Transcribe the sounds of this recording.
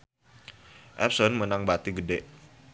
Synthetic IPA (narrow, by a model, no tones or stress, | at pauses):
ʔɛ̰p̚sɔnmənaŋbat̪iɡədeʔ